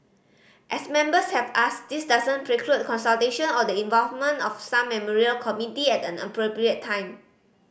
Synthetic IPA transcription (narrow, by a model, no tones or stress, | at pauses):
ʔɛsmɛ̃mbəshɛvasdisdazə̃npʰɹekʰɹut̚kɔ̃nsalteʃə̃nɔdəĩnvɔlvmə̃ntɔfsãmːɛmɔɹiəlkʰɔmunitiɛtɛ̃nə̰pɹopɹiətʰːãɪ̃m